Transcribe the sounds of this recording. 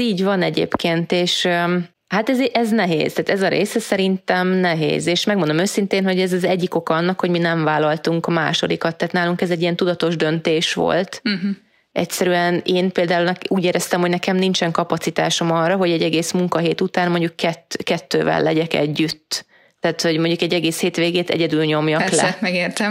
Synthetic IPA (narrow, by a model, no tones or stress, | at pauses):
iːɟvɒnɛɟḛːpkeːnt̪eːʃ | haːt̪ɛzʔɛznɛɦḛːz̥t̪aːt̪ɛzɒɾḛːsɛsɛɾint̪ɛmnɛɦḛːzeːʃmɛɡ̚mo̞nd̪omøːsint̪eːnɦo̞ɟɛzɒzɛɟːiko̞kɒɒnːɒkho̞ɟminɛɱvaːlːɒlt̪uŋkma̰ːʃo̞̰d̪ikɒt̪ːaːt̪naːluŋkɛzɛɟːijɛnt̪ud̪ɒt̪o̞ʒd̪ø̞nt̪eːʃʋo̞̰lt̪ | ɛ̰csɛɾyɛneːnpeːld̪aːulnɛuːɟeːɾɛst̪ɛmhonɛkɛmnint͡ʃɛŋkɒpɒt̪sit̪a̰ːʃo̞mɒrɒɦo̞ɟɛɟːɛɡeːsmuŋkɒɦeːt̪ut̪aːnmo̞ɲɟukːɛt̪ːkɛt̪ːø̰ːvɛ̰lːɛɟɛkɛ̰ɟːyt̪ː | aːt̪ho̞ɟmoɲɟukɛɟːɛɡeːsheːt̪ʋeːɡeːt̪ɛ̰ɟɛd̪yːlɲo̞mjɒkllɛ̰mɛɡeːrt̪ɛ